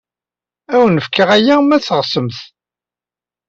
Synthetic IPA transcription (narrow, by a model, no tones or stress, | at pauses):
æwənəfkəʁæjæmæθəʁsəmθ